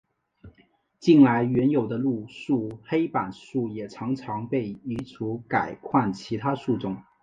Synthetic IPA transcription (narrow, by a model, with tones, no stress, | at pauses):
t͡ɕi˥˩nla˧˥ɪɥɛ˧˥njo˨˩ʊd̪ə˦lu˥˧ʂu˥˩xe˥ɪpa˨˩nʂu˥˩jɛ˨˩ʈ͡ʂʰɑ˧˥ŋʈ͡ʂʰɑ˧˥ŋpe˥˩ɪi˧˥t͡sʰu˧˥ka˨˩ɪkʰwa˥˩nt͡ɕʰi˧˥t̪ʰa˥ʂu˥˩ʈ͡ʂʊ˥˩ŋ